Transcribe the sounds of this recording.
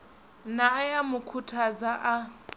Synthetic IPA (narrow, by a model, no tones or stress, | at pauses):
naːjamʊkʰutʰad͡zaʔa